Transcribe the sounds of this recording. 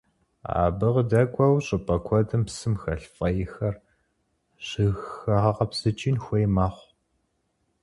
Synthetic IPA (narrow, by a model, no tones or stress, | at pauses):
a̰ːbɨʁdɐkʷʼɔwɕʼɨpʼɐkʷʰɔdɨmpsɨmxɐɬfʼɐjɪxɐr | ɕɨɣxɐʁɐʁɐpsɨt͡ʃʼinxʷejmaːχʷ